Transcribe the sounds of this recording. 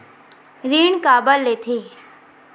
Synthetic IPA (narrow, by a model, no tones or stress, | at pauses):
ɾiːɳkaːbəlːeːt̪ʰeː